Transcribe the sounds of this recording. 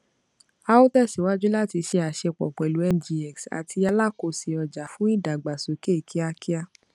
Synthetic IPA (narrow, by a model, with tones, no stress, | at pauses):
a˧o˦tɛ˦˨si˨˦wa˦d͡ʒu˦la˦ti˧ʃe˧a˨ʃɛ˧k͡pɔ̰˨k͡pɛ˨lu˨˦ɛ˦˧n̩˨d͡ʒi˧ɛ˨ksa̰˨ti˧a˧la˦˨ko˧˨si˨ɔ˧d͡ʒa˨fũ˦i˦˨da˨ɡ͡ba˨so˨ke˦˨kʰi˦a˧ki˦a˧